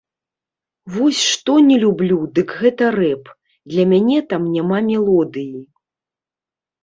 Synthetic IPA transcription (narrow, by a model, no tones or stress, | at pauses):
vɔsʲʂt̪ɔnʲɛlʲublʲud̪ɨkɣɛt̪ɐrɛp | d̪lʲɐmʲanʲɛt̪amnʲamamʲɛlˠɔd̪ɨji